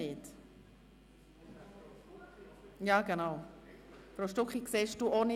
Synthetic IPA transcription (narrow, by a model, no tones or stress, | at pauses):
ɪt | jaːɡ̥ənaʊ | fɾoʃtʊkχikseːʃd̥uːʔonɪ